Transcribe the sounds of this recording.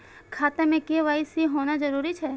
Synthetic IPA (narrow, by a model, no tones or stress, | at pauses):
kʰat̪əmẽkeʋajsiɦonad͡ʒəɾuɾit͡ʃʰe